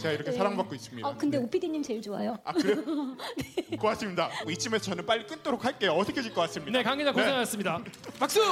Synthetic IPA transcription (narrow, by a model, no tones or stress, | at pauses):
t͡ɕeɡaiɾʌkʰesʰaɾaŋbak̚k͈ois͈ɯmɲidakɯnde̞opʰidiɲːimt͡ɕe̞ɭt͡ɕoa̰joa | nek͈oat̚s͈ɯmɲidait͡ɕʰimesʌt͡ɕʰʌnɯnp͈aɭːik͈ɯnt͈ʰoɾok̚haɭk͈e̞joʌtʰʌkʰed͡ʑʰiɭk͈ʌk͈as͈ɯmɲine̞kaŋɡed͡ʑakoseŋɦajʌs͈ɯmɲidamak̚s͈ɯ